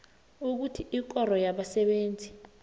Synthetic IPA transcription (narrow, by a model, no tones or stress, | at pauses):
uk̬utʰiʔik̬ɔrɔjaɓasɛɓeːnd͡zʱi